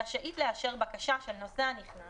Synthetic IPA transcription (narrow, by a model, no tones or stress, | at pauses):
ʃaʔitleaʃe̞ʁbakaʃaʃe̞lno̞seaniχn